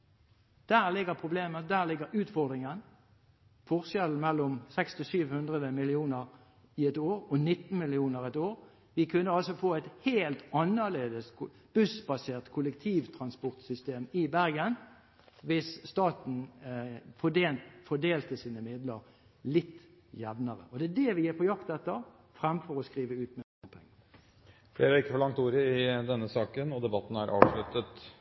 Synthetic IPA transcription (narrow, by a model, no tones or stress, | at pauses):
d̪̥æːʁlɪɡəʁpʰʁʊbleːməd̪æːʁlɪɡəɾʉːt̪fɔʁd̪ʁɪŋən | fɔʁsjɛln̩mɛlːɔmsɛkst̪ɪsyːʋhʉnd̪ʁəd̪əmɪlɪuːnəʁ | ɪɛt̪oːʁɔnɪt̪ːn̩mɪlɪuːnəɾɛt̪oːʁ | ʋɪkʰʉnːəɑlsɔfoːɛɪt̪heːlt̪ɑnəʁleːd̪əs | b̥ʉsbɑseːʁt̪kʰʊləkt̪ʰiːʋt̪ʰʁɑnspɔʁt̪sʏst̪eːmɪbæʁɡən | ʋɪsst̪ɑːt̪n̩ | fɔd̪eːlfɔd̪eːlt̪əsiːnəmɪd̪ləʁ | lɪt̪ː | jɛʋnəʁə̰ʔɔd̪ɛd̪ɛʋɪjɪpʰɔjɑkt̪ɛt̪ːəʁ | fʁɛmfɔʁɔskʁiːʋəʉːt̪mɛ | pʰɛŋːə | fleːɾəæɪkːəfɔɭɑŋkt̪uːɾəɪd̪ɛnːəsɑːkənɔd̪ɛbɑt̪ːn̩æɾʔɑ̰ːʋʂlʉt̪ət̪